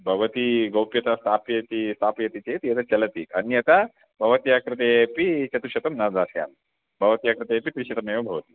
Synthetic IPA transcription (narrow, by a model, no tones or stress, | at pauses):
bʱɐʋɐt̪iɡɐwpjɐt̪ast̪ʰaːpjɐt̪ist̪ʰaːpjɐt̪it͡ɕet̪iɐt̪at͡ɕɐlɐt̪iɐniɐt̪a | bʱɐʋɐt̪ijakɾɨt̪eepit͡ɕɐt̪uʃɐt̪ɐmnad͡zasja̰ːm | bʱɐʋɐt̪ijakɾɨt̪eepit̪ɾiʃɐt̪ɐmeʋɐbʱɐʋɐt̪i